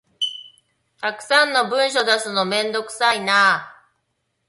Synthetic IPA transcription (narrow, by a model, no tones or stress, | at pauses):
t̪akɯ̟̥sãnːo̞bɯ̟̃ɰ̃ɕ̬o̞d̪asɨno̞mẽ̞nd̪o̞kɯ̟̥sainaː